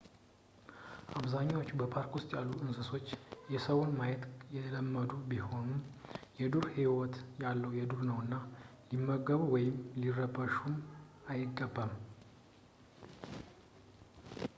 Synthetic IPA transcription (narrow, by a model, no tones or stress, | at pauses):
ʔaβzaɲːawot͡ʃːubəpʰaɾkwʊst̪ʼjalːuɨnsɨso̞t͡ʃːjɛsəwʊnmajɛt̪jɛləmːəd̪ubiho̞numjɛd̪uɾhiwɔt̪jalːəwjɛd̪uɾnəwɨnːalimːəɡəβuwɔjɪmlirəbəʃumajɪɡːəbːəm